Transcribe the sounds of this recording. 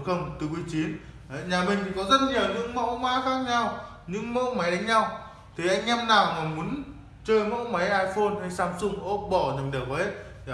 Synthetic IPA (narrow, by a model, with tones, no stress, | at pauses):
xə˧wŋ͡mt̪ɨ˨˩ki˨˦t͡ɕi˨˦n˧˨ | ɲaː˨˩mï˨˩ŋ̟˩kɔ˨˦zə˦˥t̚ɲi˨˩əwɲɨ̰˧˥ŋmə̰˧˥wŋwa̰ː˧˥xaː˦˥k̚ɲa˧w | ɲɨ̰˧˥ŋmə̰˧˥wma˨˦jɗe˨˦n̟ɲa˧w | t̪ʰi˨˩ʔa˧jŋ̟ʔɛ˧mnaː˨˩wŋɔ˨˩jmu˨˦ən | t͡ɕəː˧jmə̰˧˥wma˨˦jʔaː˧jfo˧nha˧jsaː˧msʊ˧ŋ͡mʔo˦˥p̚ɓɔ˧˩ɲə˨˩ɗə˨˩k̚ə̰˧˦˥